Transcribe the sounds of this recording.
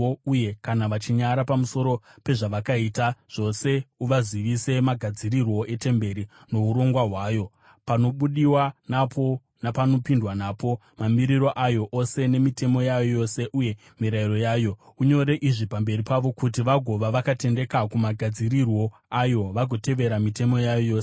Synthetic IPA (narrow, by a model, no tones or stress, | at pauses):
uje̞kanaʋat͡ʃiɲaɾapamuso̞ɾo̞pe̞ʐaʋakaitaʐ̥o̞se̞uʋaziʋise̞maɡʱad͡zirirwo̞e̞te̞mbe̞ɾi | no̞uɾo̞ŋɡwaɦwaːjo̞ | pano̞ɓuɗiwanapʰo̞ | napano̞pindwanaːpo | mamiɾiɾo̞ʔajo̞ʔose̞ne̞mite̞mo̞jajojo̞se̞ʔuje̞ | miɾairo̞jaːjo̞ | uɲo̞ɾe̞ʔiʐipambe̞ɾipaʋo̞kutiʋaɡʱo̞ʋaʋakate̞nde̞kakumaɡʱad͡ziɾirwo̞ | ajo̞ʋaɡʱo̞te̞ʋe̞ɾamite̞mo̞jajojo̞ːs